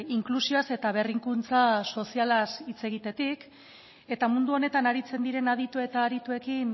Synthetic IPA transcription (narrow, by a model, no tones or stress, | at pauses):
iŋklusioase̞t̪aβe̞riŋkunt͡saso̞sialasit͡se̞ɣ̞it̪e̞t̪ik | e̞t̪amund̪uo̞ne̞t̪anaɾit͡se̞nd̪iɾe̞nað̞it̪ue̞t̪aːɾit̪ue̞kin